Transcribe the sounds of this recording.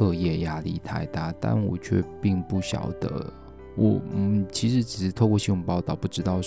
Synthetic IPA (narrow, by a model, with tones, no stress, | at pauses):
ɤ˥˧jɛ˥˩ja˥li˥˩t̪ʰa˥˧ɪt̪a˥˩t̪a̰˥˩nwɔ̰˨˩t͡ɕʰɥɛ̰˥˧pi˥˧ŋpu˥˩ɕjɑ̰˨˩ʊd̪̥ə̰˦ | wʔɔ˨˩t͡ɕʰi˧˥ʂɻ̩˧˥ʈ͡ʂɻ̩˨˩ʂɻ̩˧˥t̪ʰo˥˧ʊkwɔ˥˧ɕi˥nwʊ˨˩pɑ˥˧ʊt̪ɑ˥˩ʊpu˥˩ʈ͡ʂɻ̩˥t̪ɑ˥˧ʊ